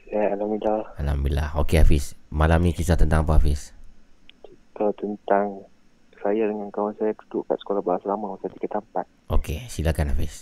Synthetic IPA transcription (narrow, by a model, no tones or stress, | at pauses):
sajaalamidaalambila̰hokeafismalamnĩkisat̪ənt̪aŋapaafɪs | t͡ʃit̪ət̪ənt̪aŋ | sajadəŋankawansajat̪u̥d̪uʔka̰ʔsə̥kolahbaasalamãmasajt̪i̥kat̪ampat̪̚ʔokesilakanafɪs